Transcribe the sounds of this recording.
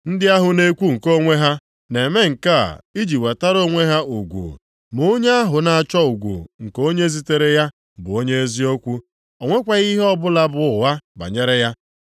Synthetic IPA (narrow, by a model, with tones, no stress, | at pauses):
n̩˦dɪ˦a˦ɦʊ˨ne˦kʷu˦ŋ̩˨ko˦ŋʷe˦ɦa˦ | ne˨me˦ŋ̩˨ka̰˦˨i˦d͡ʒi˨we˨ta˦ɾo˦ŋʷe˦ɦa˦u˨ɡʷṵ˨ | mo˦ɲe˦a˦ɦʊ˨na˨a˨t͡ʃɔ˦u˨ɡʷṵ˨ŋ̩˨ko˦ɲe˦zi˦te˦ɾe˦ja˦ | bʊ˨o˦ɲe˦e˦zi˦o˦kʷu˦ | o˨ŋʷe˦kʷa˦ɣi˦ɦɔ˦bʊ˦la˦bʊ˦ʊ˨wa˦ba̰˨ɲe˦ɾe˦ja˦